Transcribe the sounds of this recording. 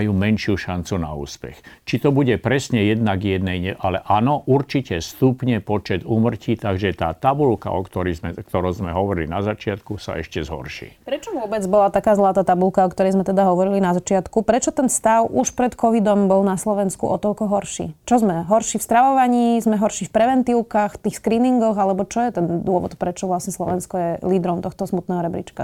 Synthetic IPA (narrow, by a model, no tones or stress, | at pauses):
juːmɛnʃɪuʃant͡suna̰ṵːspɛ̰xt͡ʃit̪ɔbuɟɛpɾɛsɲɛjɛd̪naɡjɛd̪̚nɛjɲɛʔalɛʔanɔʔuɾt͡ʃicɛst̪upɲɛpɔt͡ʃɛd̪uːmr̩ciːt̪aɡʒɛt̪a̰ːt̪abulka̰ɔkt̪ɔɾizmɛkt̪ɔɾɔzmɛɦɔʋɔɾilḭnazat͡ʃɪat̪kusa̰ɛ̰ʃcɛzɦɔ̰rʃḭːpɾɛt͡ʃɔʋʊɔbɛd͡zbɔlat̪akaːzlˠaːt̪aːt̪abulkaɔkt̪ɔɾɛjzmɛt̪ɛd̪aɦɔʋɔɾilinazat͡ʃɪat̪kupɾɛt͡ʃɔt̪ɛnfst̪aʊʔuʃpɾɛt̪kʰɔʋid̪ɔmbɔlnaslɔʋɛnskṵʔɔt̪ɔlkɔɦɔɾʃḭt͡ʃɔzmɛɦɔɾʃifst̪ɾaʋɔʋaɲiːzmɛɦɔɾʃifpɾɛʋɛnt̪iʊkaxft̪iːxskɾiːniŋɡɔɣalɛbɔt͡ʃɔjɛt̪ɛnd̪ʊɔʋɔ̰t̪pɾɛt͡ʃɔʋlasɲɛslɔ̰ʋɛnskɔjɛliːd̪ɾɔmt̪ɔxt̪ɔsmut̪nɛːɦɔɾɛbɾḭt͡ʃka